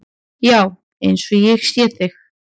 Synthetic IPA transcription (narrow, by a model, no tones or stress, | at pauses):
jaw | ejnsɔjɛxsjɛːθɪx